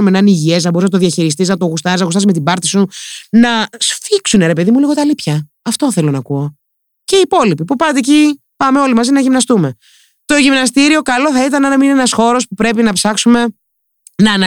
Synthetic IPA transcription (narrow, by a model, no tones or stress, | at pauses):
umenɐniʝie̞snɐboɾiznɐt̪oðiɐçiɾis̬t̪iznɐt̪oɣust̪ɐiznɐɣust̪ɐsme̞t̪ibɐɾt̪isunɐsfiksune̞ɾe̞pe̞ðimuliɣo̞t̪ɐlipçɐ | ɐft̪o̞θe̞lo̞nɐkuo̞ | ce̞ipo̞lipipupɐt̪eci | pɐme̞o̞limɐzinɐʝimnɐst̪ume̞ | t̪o̞ʝimnɐst̪iɾio̞kɐlo̞θɐit̪ɐnɐnɐminneenɐsxo̞ɾo̞spupɾe̞pinɐpsɐksume̞ | nɐːnɐ